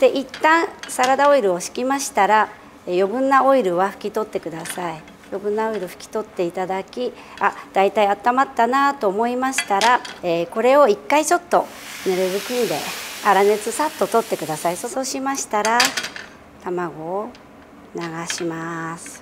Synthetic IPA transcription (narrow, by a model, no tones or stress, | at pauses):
d̪̥e̞ʔit̪ːãɰ̃saɾad̪ao̞iɾɯ̟o̞ɕi̥kʲimaɕi̥t̪aɾa | ejo̞bɯ̟̃nːao̞iɾɯ̟βaɸɯ̟̥kʲit̪o̞t̪ːe̞kɯ̟d̪asai | jo̞bɯ̟̃nːao̞iɾɯ̟ɸɯ̟kʲi̥t̪o̞t̪ːe̞it̪ad̪akʲi | ad̪̥ait̪aiat̪ːamat̪ːanat̪o̞ːmo̞imaɕi̥t̪aɾaeːko̞ɾe̞o̞ikːait͡ɕo̞t̪ːo̞ | neɾeβɯkʲĩnd̪e̞̰aɾane̞t͡sɨsat̪ːo̞t̪o̞t̪ːe̞kɯ̟d̪asaisoso̞ɕimaɕi̥t̪aɾa | t̪amaɡo̞ː | naɡaɕimasɨ̥